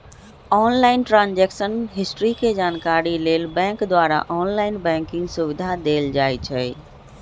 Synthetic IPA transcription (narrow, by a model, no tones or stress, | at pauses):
ɔːnlaːɪnʈɾãːnd͡ʑeːkʃənɦɪsʈɾikʰed͡ʑaːnkaːɾileːlbɛ̃ːŋkd̪waːɾa̰ʔɔːnlaːɪnbɛ̃ːŋkɪ̃ŋɡsʊʋɪd̪ʱad̪eːld͡ʑaːit͡ɕʰeː